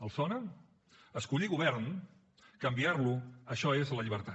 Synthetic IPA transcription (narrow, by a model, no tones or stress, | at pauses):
əlˠsɔnə | əskuʎiɣuβɛɾn | kəmbiarluəʃɔezləʎiβ̞əɾt̪a